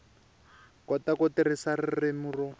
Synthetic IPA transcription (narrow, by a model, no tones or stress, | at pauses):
kɔtakɔtirɪsarɪrɪmurɔ